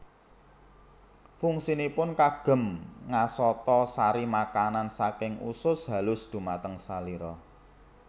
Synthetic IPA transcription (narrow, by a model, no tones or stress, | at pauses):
fuŋsinipʊnkaɡ̥ə̤mŋasɔt̪ɔsaɾimakanansakɪŋṵsʊsɦa̤lʊsd̪̥ṳmat̪əŋsaliɾɔ